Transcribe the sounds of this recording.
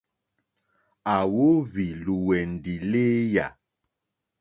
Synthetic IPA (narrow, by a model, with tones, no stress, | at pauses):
a˨wo˦βi˨lu˨wɛ˨n̩˨di˨leː˦ja˨